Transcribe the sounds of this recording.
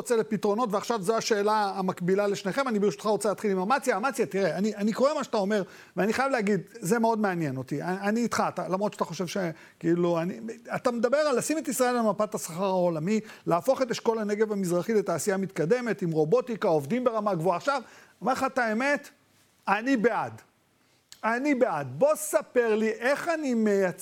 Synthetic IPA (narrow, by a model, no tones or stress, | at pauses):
ot͡selepitʁo̞no̞tveaχʃavzoaʃe̞ːlaːmakbilaleʃne̞χemanibeʃut̪χaʁo̞t͡selaːt̪χilimamat͡sijaːmat͡sjat̪iʁeaniʔaniko̞ʁe̞maʃat̪ao̞me̞ʁ | veaniχajavleaɡid̪zemeo̞dmeanjeno̞t̪iaaniːt̪χatalamʁot̪t͡ʃʃat̪aχo̞ʃe̞vʃe | kiiluaniat̪amed̪abe̞ʁalːasime̞tisʁae̞lamapatasaχaʁao̞lamilaːfo̞χet̪eʃko̞lane̞ɡe̞vamizʁaχile̞taːsiamit̪kad̪e̞metimʁo̞bo̞t̪ikao̞vdimbe̞ʁamaɡvoaːχʃav | omeʁlχataeme̞t̪ | anibead | anibeadbo̞sape̞ʁliʔe̞χanimejat͡s